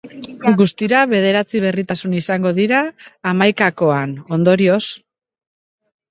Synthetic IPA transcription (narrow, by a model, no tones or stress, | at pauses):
ɡust̪iɾaβe̞ð̞e̞ɾat͡siβ̞e̞rit̪asunisaŋɡo̞ðiɾaːmajkako̞ano̞nd̪o̞ɾio̞s